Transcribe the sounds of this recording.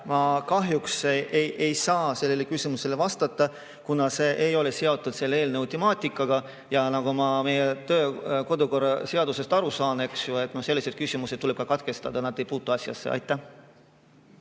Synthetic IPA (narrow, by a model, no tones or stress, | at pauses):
mɑkɑɦjukseʔejʔejsɑːse̞lːe̞lekysʲimuse̞le̞vɑst̪ɑt̪ːˑɑ | kunɑse̞ːʔejo̞le̞se̞o̞t̪ˑːud̪̥se̞lːeeːlneut̪imɑːt̪ʲˑikːˑɑɡ̥ɑ | jɑnɑɡ̥omɑme̞jet̪ø̞ːko̞d̪uko̞rɑse̞ɑd̪use̞st̪ɑɾusɑːne̞ksjue̞t̪nose̞lːise̞d̪̥kysʲimuset̪̚ːuleb̥̚kɑkɑt̪ke̞st̪ɑd̪̥ɑnɑd̪e̞jpuːt̪ːˑuɑsʲjɑ̰sːḛʔɑ̰jt̪ːˑæh